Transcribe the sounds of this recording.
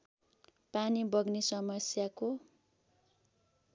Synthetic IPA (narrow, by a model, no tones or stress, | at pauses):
panibʌɡnisʌmʌsjako